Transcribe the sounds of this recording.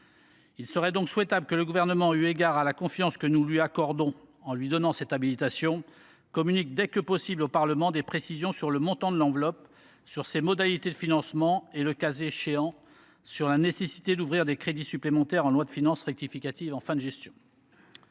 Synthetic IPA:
ilsəʁɛd̪ɔ̃kswɛt̪abləkələɡuvɛʁnəmɑ̃yeɡʲaʁalakɔ̃fjɑ̃skənulɥiakɔʁd̪ɔ̃ɑ̃lɥid̪ɔnɑ̃sɛt̪abilit̪asjɔ̃ | kɔmynik̚d̪ɛkəpɔsiblopaʁləmɑ̃d̪epχesizjɔ̃syʁləmɔ̃t̪ɑ̃d̪əlɑ̃vlɔp | syʁsemɔd̪alit̪ed̪əfinɑ̃smɑ̃eləkazeʃeɑ̃ | syʁlanesesi̥t̪ed̪uvʁiʁd̪ekχed̪isyplemɑ̃t̪ɛʁɑ̃lwad̪əfinɑ̃sʁɛk̚t̪ifikʲat̪ivɑ̃fɛ̃d̪əʒɛst̪jɔ̃

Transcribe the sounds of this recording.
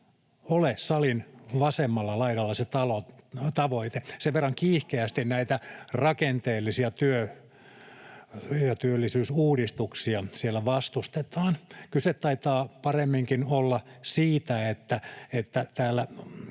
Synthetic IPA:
olesɑlinʋɑsemːɑlːɑlɑiɾɑlːɑset̪ɑlot̪ɑʋoit̪eseʋerːɑŋkiːhkeæst̪innæit̪ærɑkent̪eːlːisiɑt̪yø | jɑt̪yølːisyːsuːdist̪uksiɑsielːæʋɑst̪ust̪et̪ɑːnkylset̪ɑit̪ɑːpɑremːiŋkinolːɑsiːt̪æet̪ːæet̪ːæt̪æːlːæ

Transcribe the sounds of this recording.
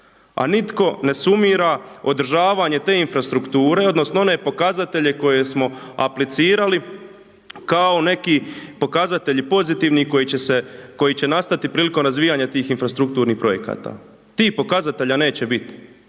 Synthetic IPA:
a̰nit̪ko̞ne̞sumiɾao̞d̪r̩ʒaːʋaɲe̞t̪e̞ːinfɾast̪ɾukt̪uːɾe̞o̞d̪no̞snoo̞ne̞ːpo̞kazat̪e̞ʎe̞ko̞je̞smo̞a̰plit̪siːɾali | kao̞ne̞kipo̞kazat̪e̞ʎipo̞zit̪iʋnikojit͡ɕeseko̞jit͡ɕe̞nast̪at̪ipɾiːliko̞mɾazʋiːjaɲat̪iːxinfɾast̪ɾuk̚t̪uːɾnipɾo̞jeka̰ːt̪a̰ː | t̪iːhpo̞kazat̪e̞ʎane̞ːt͡ɕe̞bit̪i̥

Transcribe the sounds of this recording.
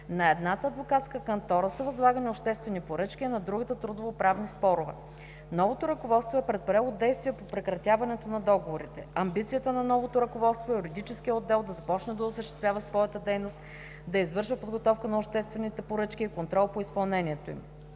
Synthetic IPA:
nɐɛd̪nat̪əːd̪vokat̪skəkɐnt̪ɔɾəsɐvɐzlˠaɡəniopʃt̪ɛst̪vɛnipoɾɤt͡ʃkʲiɛnɐd̪ɾuɡət̪ət̪ɾud̪ovopɾavnispɔɾʊvɛ̰ | nɔvot̪oɾɐkovɔt̪st̪voɛpɾɛt̪̚pɐɾɛlˠod̪ɛjst̪vʲiɛpopɾɛkɾɐt̪ʲavɐnɛt̪onɐd̪ɔɡovoɾit̪ɛɐmbit̪sijət̪ənɐnɔvot̪oɾɐkovɔt̪st̪voɛjuɾid̪it͡ʃɛskʲijəod̪ːɛlˠd̪ɐzɐpɔt͡ʃnəd̪ɐosəʃt̪ɛst̪vʲavəsvɔjət̪əd̪ɛjnost̪ | d̪ɐizvɤɾʃvəpod̪ɡot̪ɔfkənɐopʃt̪ɛst̪vɛnit̪ɛpoɾɤt͡ʃkʲiːkont̪ɾɔlˠpoispɐlˠnɛniɛt̪oḭm

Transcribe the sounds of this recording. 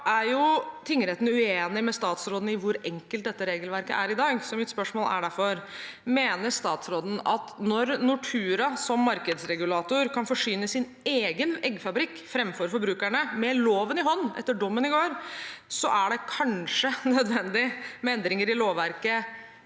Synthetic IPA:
ʔæɾjʊt̪ʰɪŋːəɾeːt̪n̩ʉeːnɪmɛst̪ɑːt̪sɾoːd̪n̩ɪʋʊɾɛŋkəlt̪̚d̪ɛt̪ːəɾeːɡəlʋæɾkə̰ʔæɾɪd̪ɑːɡsɔmɪt̪spœʂmoːlʔæ̰ɖæɾfɔɾmeːnəɾʂt̪ɑːt̪sɾoːd̪n̩ɑt̪nɔɾnʊʈʰʉːɾɑsɔmːɑɾkəd̪sɾɛɡʉlɑːt̪ʊɾkʰɑnfɔʂyːnəsɪn | eːɡənɛɡːfɑbɾɪkːfɾɛmfɔɾfɔɾbɾʉːkæɳəmɛloːʋənɪɦɔnːɛ̰t̪ːəɖɔmːənɪɡoːɾsɔ̰ʔæɖɛkʰɑnʂənœd̪ʋɛnd̪ɪmɛɛnd̪ɾɪŋəɾɪloːʋʋæɾkə

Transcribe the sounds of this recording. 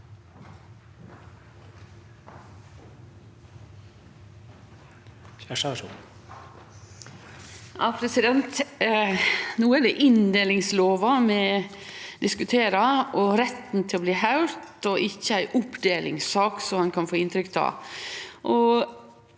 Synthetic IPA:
çæʂɑʂṵːn | ʔɑːpʰɾɛsɪd̪ɛnt̪ | nuːəæd̪ɛʔɪnd̪eːlɪŋsloːʋɑmɛ | d̪ɪskʉt̪ʰeːɾɑʔɔɾɛt̪n̩t̪ʰɪlɔbliːhɑʉɾt̪ɔʔɪçːəæɪʔʊpd̪eːlʔɪ̰ŋsɑːksɔmhɑnkʰɑnfoːɪnt̪ɾʏkt̪ʰɑ̰ | ʔɔ

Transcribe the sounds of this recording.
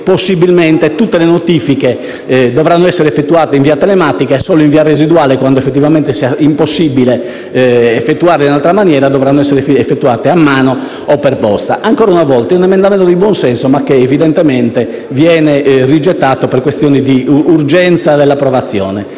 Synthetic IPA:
posːibilmɛnt̪et̪ut̪ːelenot̪ifike | d̪ɔvɾanːoɛsːɛɾefːet̪ːuaːt̪eiɱviːat̪ɛlemaːt̪ikaɛsːɔːloiɱviarezid̪uaːlekwand̪oefːet̪ːivamɛnt̪esiaimposːibileː | fːet̪ːuaːɾleinalt̪ɾamanjɛːɾad̪ɔvɾanːoɛsːɛɾeɛfːet̪ːuaːt̪eamːaːnɔ | ɔpːɛrpɔst̪aʔaŋkɔːɾaunavɔlt̪aɛunɛmɛ̃nd̪amɛnt̪od̪ibwɔnsɛnsomakːeːvid̪ɛnt̪ɛmɛnt̪e | vjɛːnɛrid͡ʒɛt̪ːaːt̪opɛrkwest̪jɔːnid̪iurd͡ʒɛnt̪sad̪elːapːɾɔvat̪sːjɔ̰ːnɛ

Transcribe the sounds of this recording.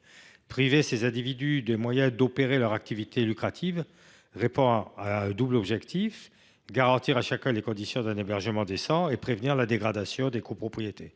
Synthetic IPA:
pχivesezɛ̃d̪ivid̪yd̪emwajɛ̃d̪opeʁelœʁak̚t̪ivit̪elykχat̪ʰiv | ʁepɔ̃aɛ̃d̪ublɔbʒɛkt̪ʰif | ɡaʁɑ̃t̪iʁaʃakɛ̃lekɔ̃d̪isjɔ̃d̪ɛ̃nebɛʁʒəmɑ̃d̪esɑ̃epχevniʁlad̪eɡʁad̪asjɔ̃d̪ekopχɔpχijet̪ʰe

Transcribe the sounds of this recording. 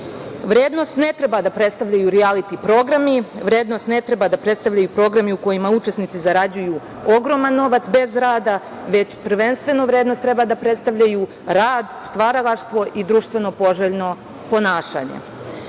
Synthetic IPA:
ʋɾeːd̪no̞st̪ne̞t̪ɾebad̪apɾet̪st̪aʋʎajuɾialit̪ipɾo̞ɡɾamiʋɾe̞ːd̪no̞st̪ne̞t̪ɾebad̪apɾe̞t̪st̪aʋʎajupɾo̞ːɡɾamiuko̞jimaut͡ʃe̞snit̪sizaɾad͡ʑujuː | o̞ɡɾo̞manːo̞ʋat̪sbe̞zɾaːd̪a | ʋe̞t͡ɕpr̩ʋe̞nst̪ʋe̞noʋɾeːd̪nost̪ːɾebad̪apɾe̞t̪st̪aʋʎaju | ɾaːd̪st̪ʋaɾalˠaʃt̪ʋo̞ʔid̪ɾuːʃt̪ʋe̞no̞po̞ʒeʎno̞ | po̞naːʃa̰ːɲḛ

